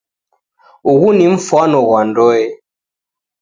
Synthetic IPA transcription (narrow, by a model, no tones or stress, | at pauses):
uɣuniɱ̩fanɔɣwandɔɛ